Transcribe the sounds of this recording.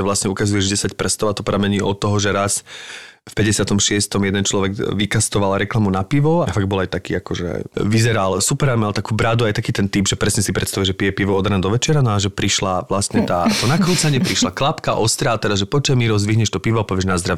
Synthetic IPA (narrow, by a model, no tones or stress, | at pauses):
ɛʋlasɲɛukazujɛʒɟɛsacprɛst̪ɔʊat̪ɔpɾamɛɲiːʔɔt̪ːɔɦɔʒɛɾas | fpɛɟɛsɪat̪ɔmʃɪɛst̪ɔmjɛd̪ɛnt͡ʃlɔʋɛɡʋikast̪ɔʋalɾɛklamunapiʋɔafaɡbɔlajt̪akiːakɔʒɛ̰ʋizɛɾalsupɛɾamalt̪akuːbɾad̪uajt̪akiːt̪ɛnt̪ibʒɛpɾɛsɲɛsipɾɛt̪st̪aʋuiɛʒɛpijɛpiʋɔɔd̪ɾand̪ɔʋɛt͡ʃɪɛɾanɔaʒɛpɾiʃlaʋlast̪ɲɛt̪aːt̪ɔnakɾuːt͡saɲɪɛpɾiʃlaklapkaʔɔst̪ɾat̪ɛd̪aʒɛpɔt͡ʃamiɾɔzd̪ʋiɦɲɛʃt̪ɔpiʋɔapɔʋɪɛʒnazd̪ɾaʋ